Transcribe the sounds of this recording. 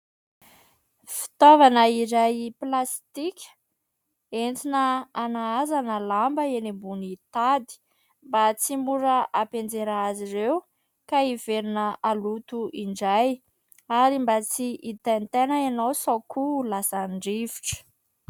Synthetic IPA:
fi̥t̪ovanəiɾajplast̪ikʲə̥ | ent͡sinəanaazanəlambəenimbunit̪ad̪i̥ | mbat͡simuɾəʔapend͡zeɾaaziɾew | kaiveɾinəalut̪uʔiɳɖ͡ʐaj | aɾimbat͡siʔit̪ent̪enəanawsakʰulasaɳɖ͡ʐiviʈ͡ʂə̥

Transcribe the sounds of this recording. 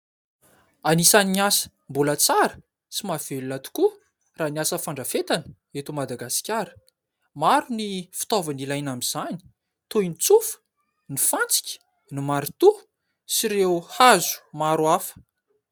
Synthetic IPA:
anisaniiasə̥ | mbulat͡saɾə̥ | t͡simav̥elunat̪u̥ku | raːniasəfaɳɖ͡ʐəfet̪anə | et̪umad̪aɡasi̥kʲaɾə̥ | maɾunifi̥t̪ovanilajnamiz̥ani̥ | t̪ujnt͡sufə̥ | nifant͡si̥kʲə̥ | nimaɾit̪u | siɾeuhazu̥maɾuafə̥

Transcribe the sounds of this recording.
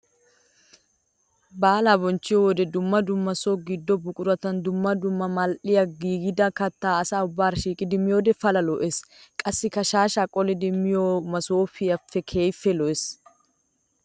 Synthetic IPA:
baːlabɔnt͡ʃːɪjɔd̪ɛd̪ʊmːɐd̪ʊmːɐsoɡɪd̪ːɔbʊkʼʊɾɐt̪ɐnd̪ʊmːɐd̪ʊmːɐmɐlʔɪjɐɡiːɡɪd̪ɐkɐt̪ːaːɐsaːʊbːaːɾʃiːkʼɪd̪ɪmɪjoːd̪ɛfɐlɐlɔʔɛskʼɐsːɪkɐʃaːʃaːkʼɔlɛd̪ɪmːɪjoːmɐsoːfɪɐfːɛkʰeːjfɛlɔɛs

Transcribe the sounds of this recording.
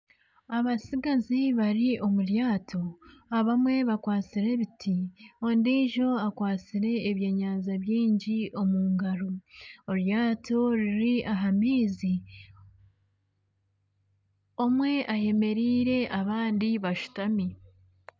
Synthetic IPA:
aβasiɡaziβaɾiʔo̞muɾjaːtʰo̞aβamwe̞βakwaːt͡siɾe̞βitʰiondiːʒo̞akwaːt͡siɾe̞ːβjeɲaːnzaβjiːɲɟiʔo̞muːŋɡaɾooɾjaːto̞ɾiɾiʔaɦamiːzi | o̞mwe̞ʔaje̞me̞ɾiːɾe̞ʔaβaːndiβaʃu̥tami

